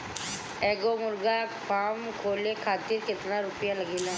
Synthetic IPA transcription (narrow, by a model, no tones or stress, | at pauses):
ɛːɡoːmʊɾɡaːpaːmkʰoːleːkʰaːt̪ɪɾkɪt̪naːɾʊpjãləɡeːlãː